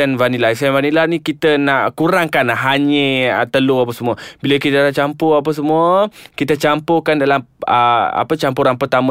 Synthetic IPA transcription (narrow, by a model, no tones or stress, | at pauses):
anvanilasaanvanilahnikit̪ənaʔkuɾaŋkanɦaɲə̃ət̪əluapəsəmuəbiləkit̪ənaʔt͡ʃampoap̬as̬əmuəkit̪ət͡ʃampokandalaməa̰pət͡ʃampuɾanpərt̪amə̃